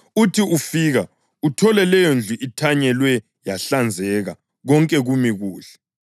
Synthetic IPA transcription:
utʰiufiːɣa | utʰɔlɛlɛjond͡ɮʱuʔitʰaɲɛlwɛ | jaɬand͡zʱɛɣa | ɣɔŋkʼɛɣumiɣuːɬɛ̥

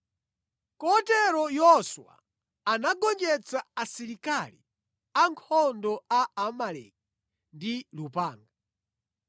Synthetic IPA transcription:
kɔtɛɾɔjɔswa̰ | anaɡɔnd͡ʒɛt͡saasiɾikali | aŋkʰɔndɔaamalɛ̰k̚i | ndilupaːŋɡa

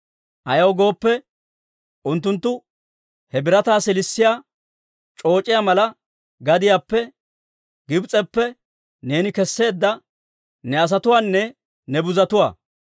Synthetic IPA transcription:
ʔɐjɐwɡo̞ːpːɛ | ʔʊnt̪ːʊnt̪ːʊ | hɛbɪɾɐt̪aːsɪlɪsːɪjaː | t͡ʃʼo̞ːt͡ʃʼɪjaːmɐlɐ | ɡɐd̪ɪjaːpːɛ | ɡɪbt͡sʼɛpːɛ | ne̞ːnɪkɛsːe̞ːd̪ːɐ | nɛɐs̬ɐt̪ʊwaːnːɛ | nɛbʊzɐt̪ʊwa̰ː

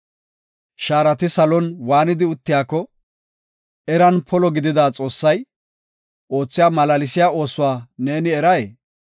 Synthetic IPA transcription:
ʃaːɾɐt̪ɪsɐlɔnwaːnɪd̪ɪʊt̪ːɪjaːkːɔ | ɛɾɐnpʰɔlɔɡɪd̪ɪd̪aːt͡sʼo̞ːsːɐj | ʔo̞ːt͡sːɪjaːmɐlɐlɪsɪjaːo̞ːsʊwaːne̞ːnɪɛɾɐje

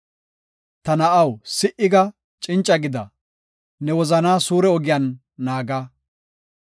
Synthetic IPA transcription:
t̪ɐnɐʔɐwsɪʔɪɡɐ | t͡ʃʼɪnt͡ʃʼːɐɡɪd̪ɐ | nɛwɔzɐnaːsuːɾɛɔɡɪjɐnː | aːɡaː

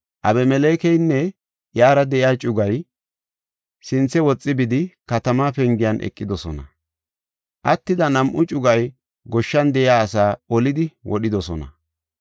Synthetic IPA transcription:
ʔɐbɛmɛleːkɛjnːɛ | jaːɾɐd̪ɛʔɪjaːt͡ʃʼʊɡɐj | sɪnt͡sːɛwɔt͡sʼːɪbɪd̪ɪkɐt̪ɐmaːpɛŋɡɪjɐnʔɛ̰kʼːɪd̪ɔsɔ̰nɐ̰ | ʔɐt̪ːɪd̪ɐnɐmʔʊt͡ʃʼʊɡɐj | ɡɔʃːɐnd̪ɛʔɪjaːɐsaːɔlɪd̪ɪwʔɔɗɪd̪ɔsɔnɐ̰

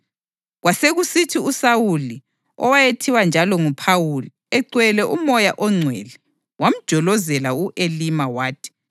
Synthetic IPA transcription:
ɣwaseɣusitʰiusawuli | ɔwajetʰiwand͡ʒʱalɔŋupʰawuli | ɛǀwɛlɛʔumɔjaʔɔŋ͡ǀʱwɛ̰lɛ | wam̩d̥ʒ̥ʱɔlɔzɛlauʔelimawaːtʰi̥

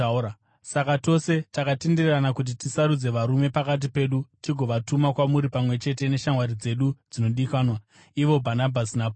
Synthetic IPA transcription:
sakato̞se̞takatindirranakut̬itisaɾud͡ze̞ʋaɾume̞pakat̬ipe̞ːɗutiɡʱo̞ʋatumakwamuɾipamwe̞t͡ʃe̞t̬e̞ne̞ʃamwaɾid͡ze̞ɗud͡zino̞ɗikaːnwa | iʋo̞bʱanabʱasinap

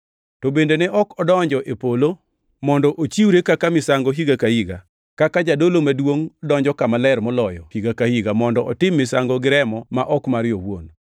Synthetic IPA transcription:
tɔbendenɛʔɔkɔdɔɲd͡ʒɔʔepolo | mɔndɔʔot͡ʃiwɾekakamɪsaŋɡɔɦiɡakahiɡa̰ | kakad͡ʒadolomadwoŋdɔɲd͡ʒɔkamalɛɾmɔlɔjɔhiɡakahiɡamɔndɔʔɔtɪmːɪsaŋɡɔɡɪɾɛmɔmaʔɔkmaɾɪjɔwo̰n

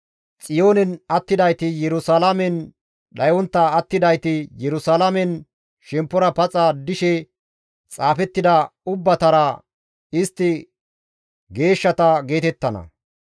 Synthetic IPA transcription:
t͡sʼɪjo̞ːnɛnɐt̪ːɪd̪ɐjt̪ɪjɛɾʊsalɐmɛn | ɗɐjɔnt̪ːɐːt̪ːɪd̪ɐjt̪ɪjɛɾʊsaːlɐmɛn | ʃɛmpːɔɾɐpɐt͡sʼɐd̪ɪʃɛ | t͡sʼaːfɛt̪ːɪd̪ɐʊbːɐt̪ɐɾɐ | ɪst̪ːɪ | ɡe̞ːʃːɐt̪ɐɡe̞ːt̪ɛt̪ːɐnɐ̰

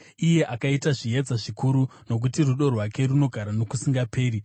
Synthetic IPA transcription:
ije̞ʔakaitaʐijed͡zaʐikuɾuno̞k̬utiruɗo̞rwake̞runo̞ɡʱaɾano̞kusiŋɡape̞ːɾi

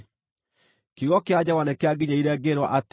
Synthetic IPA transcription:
kiɣɔkead͡ʑawanɛkeaɡiɲaiɾɛɡeɾwa̰ʔat

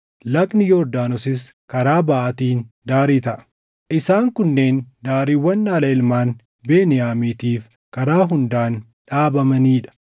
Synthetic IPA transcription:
lɐkʼnɪjoːɾd̪aːnɔsɪs | kɐɾaːbɐʔɐt̪iːnd̪aːɾiːt̪ɐʔɐ̥ | ʔɪsaːŋkʊnːe̞ːnd̪aːɾiːwːɐnːaːlɐɪlmaːn | beːnɪjaːmiːt̪iːf | kɐɾaːɦʊnd̪aːn | ᶑaːbɐmɐniːᶑɐ̥

